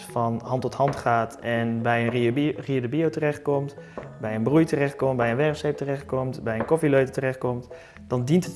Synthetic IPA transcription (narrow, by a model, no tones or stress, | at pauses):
fɔnhɑntɔthɑntχaːtɛnbɛjənriədəbiotərɛχt̚kɔmtbɛjənbrujtərɛχt̚kɔmtbɛjənʋɛrfsep̚tərɛχt̚kɔmtbɛjənkɔfiløɥtətərɛxt̚kɔmt | d̥ɑndintət